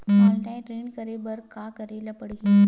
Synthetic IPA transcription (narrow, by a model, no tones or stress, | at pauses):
malʈãjʈɾeɳkəɾebəɾkakəɾelapəɽɡi